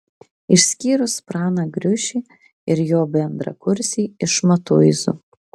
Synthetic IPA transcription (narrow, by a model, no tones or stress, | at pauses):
ɪʃʲsʲkʲiːɾʊspɾɑːnɑɡɾʲʊʃʲiː | ɪɾjoːbʲɛnd̪ɾɐ̰kʊɾʲsʲiːɪʃmɐt̪ʊːɪzṵ